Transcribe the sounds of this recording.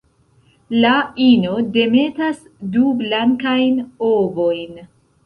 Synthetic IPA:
laino̞de̞me̞tas | dublaŋkajnovo̞jn

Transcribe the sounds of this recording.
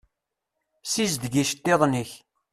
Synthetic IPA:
sizd̪ɡiʃt̪ːeðˤniç

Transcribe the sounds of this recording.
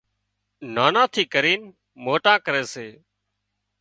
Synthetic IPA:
naːnãːt̪ʰiːkəɾiːn | moːʈãːkəɾeːseː

